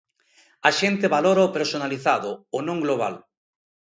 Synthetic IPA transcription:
aʃent̪eβaloɾaopeɾsonaliθaðʊonõŋɡloβ̞a̰l

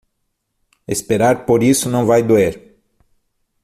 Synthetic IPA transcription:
espeɾaɾpoɾisʊnɐ̃w̃vajd̪ueɾ

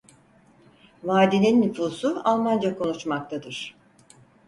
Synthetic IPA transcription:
vaːd̪inʲinːyfuːsualˠmand͡ʒakʰo̞nut͡ʃmak̚t̪ʰad̪ɯɾ̥

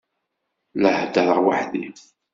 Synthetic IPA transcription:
ləhd̪əɾˤəʁwa̰ħði

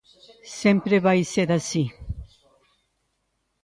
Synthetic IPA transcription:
sempɾeβajseɾasi

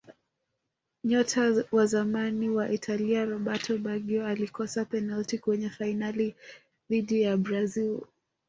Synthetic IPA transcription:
ɲɔtʰawazamaniwaʔitʰaliaɾɔɓatʰɔɓaɡiɔalikɔsapɛnaltikwɛɲɛfainali | ðiɗijabɾazil

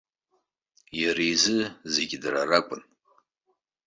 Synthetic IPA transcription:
jarizɨzeɡʲdrarakʷʼʊn

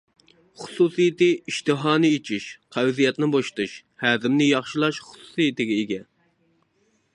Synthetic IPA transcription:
χʊ̥suːsijɪt̪ɪiʃt̪ʰɨɦɑːnɨet͡ʃʰiʃqʰæwzijɛt̪nɪboʃt̪uʃhæːzɪmnɪjɑχʃilˠɑʃχʊ̥su̥sijɪt̪ɪɡʲɛeɡʲɛ

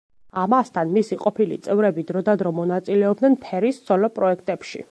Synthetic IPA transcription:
amast̪ʰanmisiqʼɔpʰilḭt̪sʼɛvɾɛbid̪ɾɔd̪ad̪ɾɔmɔnat̪sʼilɛɔb̚d̪nɛnpʰɛɾist̪sʰɔlɔpʼɾɔɛk̚ʰt̪ʼɛpʃḭ

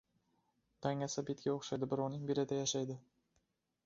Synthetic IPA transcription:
t̪ʰaŋasabet̪̚kʲaoχʃajd̪ɪbɪɾɒnɪŋbelɪd̪ajaʃajd̪ɪ

